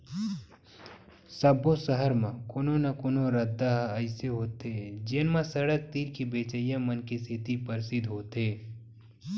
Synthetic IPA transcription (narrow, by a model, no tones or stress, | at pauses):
sɐbʱõsəɦəɾmãkoːnonɐkoːnoɾəd̪ːaɦəɪseɦoːt̪ed͡ʒenmãsɐɽək̚t̪iːɾkibeːt͡ʃəjãmɐnkisʰɪt̪ipəɾsɪd̪ɦoːt̪eː